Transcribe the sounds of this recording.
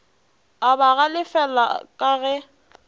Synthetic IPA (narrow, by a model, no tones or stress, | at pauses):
abaɣalɪfɛla̰kʼaɣɛ